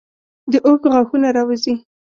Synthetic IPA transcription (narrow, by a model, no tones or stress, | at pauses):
d̪əʔokɣɑxunaɾɑwəzi